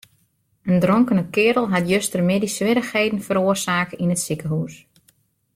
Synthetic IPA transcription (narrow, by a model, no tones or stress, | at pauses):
əndrɔŋkənəkɪːɾəlˠɦatjøstərmɪdisʋɪɾəxheːdn̩fəɾoːrsaːkəinətsikəɦus